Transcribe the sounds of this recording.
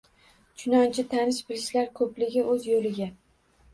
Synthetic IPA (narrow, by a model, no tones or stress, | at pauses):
t͡ʃʰʊnɒnt͡ʃʰɪt̪ʰanɪʃbɪlɪʃlaɾkʰɵplɪɡʲɪʔɵzjolɪɡʲa